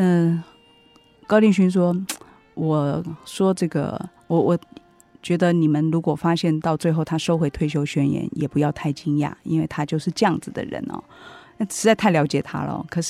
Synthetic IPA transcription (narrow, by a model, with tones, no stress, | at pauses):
ə˧ | kɑ˥ʊli˥˩ŋɕy˥nʂ̬wɔ˥ | wɔ˨˩ʂwɔ˥ʈ͡ʂɤ˥˩ɡə̰˩wɔ˨˩wɔ˨˩ | t͡ɕɥɛ˧˥d̪ə˧ni˨˩mə˦nɻu˧˥kwɔ˨˩fa˥ɕjɛ˥˧nt̪ɑ˥˧ʊt͡swe˥˧ɪxo˥˩ʊt̪ʰa˥ʂo˥ʊxwe˧˥ɪt̪ʰwe˥˩ɪjo˥ʊɕɥɛ˥njɛ̰˧˥njɛ̰˨˩pu˧˥jɑ˥˧ʊt̪ʰa˥˩ɪt͡ɕi˥ŋja̰˥˩ḭ˥nwe˥˩ɪt̪ʰa˥t͡ɕjo˥˧ʊʂɻ̩˥˧ʈ͡ʂə˥jɑ˥˩ŋd͡zɹ̩˨˩d̪ə̰˨ɻə̰˧˥nɐ̰˨˩n˥˩ʂɻ̩˧˥t͡sa˥˧ɪt̪ʰa˥˩ɪljɑ˧˥ʊt͡ɕjɛ˨˩t̪ʰa̰˥lə̰˨kʰɤ˨˩ʂɻ̩˥˩